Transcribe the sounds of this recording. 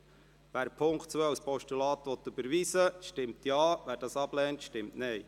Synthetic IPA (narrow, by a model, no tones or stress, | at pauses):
ʋæːɾpʰʊŋktt͡sʋœwspɔʃtylɑːt̪ʋɔt̪ʉbəɾʋiːsəʃtɪmt̪jɑːʋæːɾdɑːsɑb̥lɛːnt̪ʃtɪmtnɛj